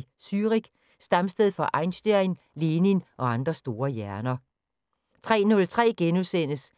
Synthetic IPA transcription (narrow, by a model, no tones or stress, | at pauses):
syːʁiɡ̥ | sd̥ɑ̈msd̥eðˠfɒ̽ʔɑ̈ɪnɕd̥eɐen | le̝ːninʔɒ̽ɑ̈nd̥ʁɐsd̥o̝ːɐjæɐnɐ | t͡sʰʁɛ̰ːnɔ̽lt͡sʰʁɛ̰ːɡ̥enusen̰əs